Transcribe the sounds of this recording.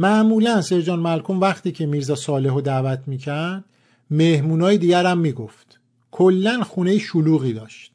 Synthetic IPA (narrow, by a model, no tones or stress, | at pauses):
mæʔmuːlænseɾd͡ʒɒːnmælkʰomvæxt̪iːcʰe̞miːɾzɒːsɒːle̞ɦod̪æːvæt̪ʰmiːcʰæɾd̪̥ | mehmuːnɒːjed̪iːɟæɾæmːiːɡoft̪ | kʰolːænxuːne̞jeʃuluːɣiːd̪ɒːʃt̪̚